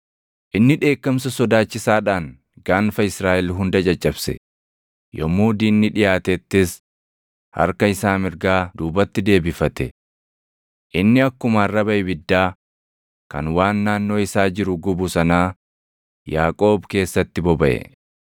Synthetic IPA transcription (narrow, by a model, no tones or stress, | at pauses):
ʔɪnːɪᶑe̞ːkːɐmsɐsɔd̪aːt͡ʃːɪsaːᶑaːŋ | ɡaːnfɐɪsɾaːʔɛlɦʊnd̪ɐd͡ʒɐt͡ʃʼːɐbsɛ̰ | jɔmːuːd̪iːnːɪᶑɪjaːt̪ɛt̪ːɪs | hɐ̰ɾkɐɪsaːmɪɾɡaːd̪uːbɐt̪ːɪd̪e̞ːbɪfɐt̪ɛ̰ | ʔɪnːɪɐkːʊmɐrːɐbɐjɪbɪd̪ːaː | kɐ̰nwaːnːaːnːo̞ːɪsaːd͡ʒɪɾʊɡʊbʊsɐnaː | jaːkʼo̞ːbke̞ːsːɐt̪ːɪbɔbɐʔɛ̰